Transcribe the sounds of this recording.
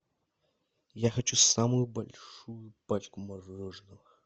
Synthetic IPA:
jaxɐt͡ʃusamʊjubɐlʲʂujupat͡ʃʲkʊmɐʐɔʐnɨ

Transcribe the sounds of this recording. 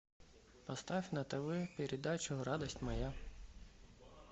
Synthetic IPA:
pɔst̪ɑfʲnɐt̪ɐʋɪpʲiɾʲid̪ɑjt͡ʃɔɾɑd̪ɔsʲtʲmɔja

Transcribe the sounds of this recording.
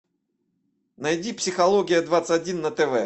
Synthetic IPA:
nɐjdʲipsʲɪxɐlˠoɡʲɪjəd̪vat̪sətʲɐdʲinːət̪ɛvɛ

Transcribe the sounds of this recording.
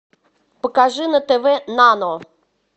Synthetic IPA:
pəkaʐɨnət̪ɛvɛnanɔ

